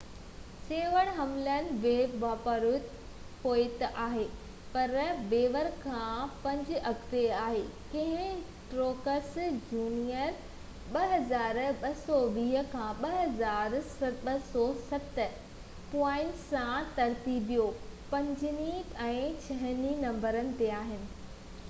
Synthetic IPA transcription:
sẽːʋəɽ̃ɦɐmlənɪ̆ʋeːbʋaːpəɾʊt̪ | poːɪt̪ʔaːɦeː | pɐɾbeːʋəɾkʰãpɐ̃ɲd͡ʑɪɐkt̪eaːɦeːkɐ̃ɦɪ̃ | ʈɾoːkəsd͡ʑuːnijəɾ | ɓɐɦɐzaːɾɓɐsɔʋiːɦə̆kʰãɓɐɦɐzaːɾsɐɓɐsɔsɐt̪̆ | pɔ̃ːɪɳʈsãt̪ɐɾt̪iːbijopɐ̃ɲd͡ʑɪniɛ̃ːt͡ɕʰɐɦɪninɐ̃mbəɾənɪ̆t̪eaːɦɪnɪ̆

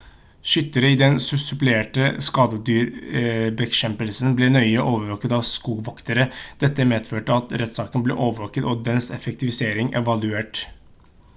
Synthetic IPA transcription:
ʃʏt̪ːəɾəɪd̪ɛnsʉsʉplɪeːʈəskɑːd̪əd̪yːɾbɛʃɛmpəlsənblɛnœʏəʔoːʋəɾʋoːkət̪ɑːʋskuːɡʋɔkt̪əɾəd̪̥ɛt̪ːəmeːd̪føːʈəɑt̪ɾɛt̪sɑːkənblɛ̰ːʔoːʋəɾʋoːkət̪ɔd̪ɛnsɛ̰fɛk̚t̪ɪʋɪseːɾɪŋɛ̰ʋɑlʉeːʈ

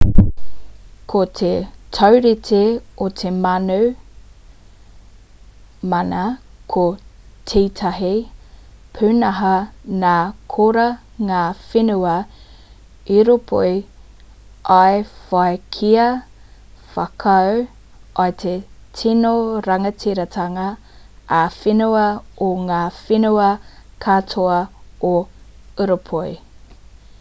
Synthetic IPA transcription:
kʰot̪ʰetʰɐwɾitʰeot̪ʰemɐnu | mɐnɐkʰo | tʰetʰɐɦi | pʰʉnɐɦɐnaːkʰoɾɐ | ŋaːfenʉɐ | iɾopʰo̰ʔi | ʔɐefɐekʰiɐ | fɐkʰɐw | ʔɐt̪ʰetʰinoɾɐŋɐtʰiɾɐt̪ʰɐŋɐː | finuɐoŋaːfinuɐkʰatʰoɐoəɾopʰoj

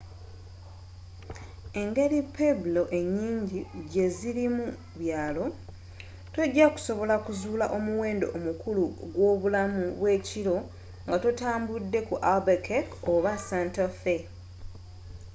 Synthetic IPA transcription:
e̞ŋɡe̞ɾipebulo̞ʔe̞ɲːiːɲɟiɟe̞ziɾimu | βjaːlo̞ | to̞ɟːaku̥so̞βo̞lakuzuːlaʔo̞muwe̞ːndo̞̰ʔomukuluɡwo̞ːβulamuβwe̞ːciɾo̞ | ŋɡatotaːmbudːe̞kuʔalbekekoβasaːntafe

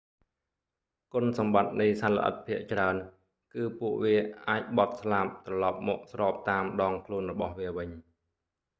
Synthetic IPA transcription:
kʊ̆nsɑmɓat̪̚nɨjsanlːə̰̆ʔə̰t̪̚pʰiəʔt͡ɕraən | kɨːpuəʔʋiəʔaːc̚ɓɑt̪̚slap̚t̪rɑlɑp̚mɔːk̚srɑːp̚t̪aːmɗɑːŋkʰluənrɔɓɑhʋiəʋɨɲ

